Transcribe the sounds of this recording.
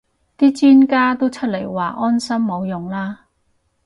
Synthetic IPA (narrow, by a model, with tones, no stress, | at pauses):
t̪iː˥t͡siː˥nkaː˥t̪o˥wt͡ʃʰɵ˥t̚le˨˩jwaː˨˩ʔɔː˥nsɐ˥mːo˨˧wjʊ˨˩ŋlaː˥